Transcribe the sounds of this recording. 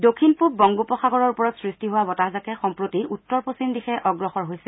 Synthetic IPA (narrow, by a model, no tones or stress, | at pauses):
dokʰinpup̚bɔŋɡupɔxaɡɔɹɔɹupɔɹɔtsɹistiɦowabɔtahzakɛxɔmpɹotiutːɔɹposimdixɛʔɔɡɹɔxɔɹɦojsɛ